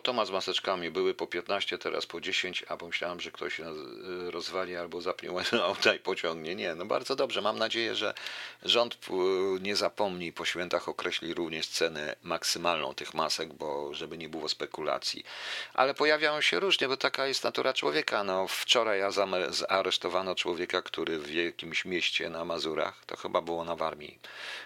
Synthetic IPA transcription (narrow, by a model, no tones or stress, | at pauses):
t̪ɔmazmasɛt͡ʂkamʲibɘwɘpɔpʲjɛt̪naɕt͡ɕɛt̪ɛɾa̰spɔd͡ʑeɕeɲt͡ɕa̰pɔmɘɕlʲawamʐɛkt̪ɔɕ | ɾɔzvalʲialbɔzapɲɛ̰waawt̪aipɔt͡ɕɔŋɡɲɛɲɛnɔba̰ɾd̪zɔd̪ɔbʐɛmamnad͡ʑejɛ̰ʐɛ̰ʐɔnt̪ɲɛzapɔmɲipɔɕfʲjɛnt̪axɔkɾʔɛɕlʲiɾuvɲɛʂt̪sɛnɛ̰maksɘmalnɔ̰̃w̃t̪ɘxmasɛɡ̚bɔʐɛbɘɲɛbɘwɔspɛkula̰t̪sʲjḭʔa̰lɛpɔjavʲjawɔɕɛɾuʐɲɛbɔt̪akajɛst̪nat̪uɾat͡ʂwɔ̰vʲjɛkanɔft͡ʂɔɾajazamɛzaɾɛʂt̪ɔvanɔt͡ʂwɔvʲjɛkakt̪uɾɘvjɛkʲimɕmʲjɛɕt͡ɕɛ̰namazuɾa̰xt̪ɔ̰xɘbabɘwɔnavaɾmʲjḭ